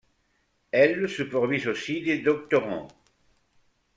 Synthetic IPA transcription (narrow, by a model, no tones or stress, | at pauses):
ɛlsəpɔʁd̪ɥizosid̪ed̪ɔk̚t̪ɔʁɑ̰̃